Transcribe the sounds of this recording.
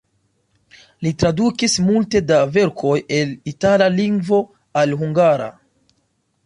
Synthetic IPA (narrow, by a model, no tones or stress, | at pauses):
litɾadukismulte̞dave̞ɾkʰo̞je̞litalaliŋɡvo̞ | alɦuŋɡaɾa̰